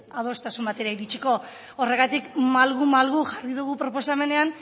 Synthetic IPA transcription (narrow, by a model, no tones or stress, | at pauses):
aðo̞st̪asumbat̪e̞ɾaiɾit͡ʃiko̞ | ore̞ɣat̪ikmalɣumalɣuʝariðuɣupɾo̞po̞same̞ne̞an